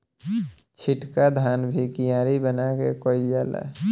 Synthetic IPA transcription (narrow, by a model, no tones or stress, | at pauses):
t͡ʃʰiʈkad̪ʱanbʱikijãɾibənakekɔijala̰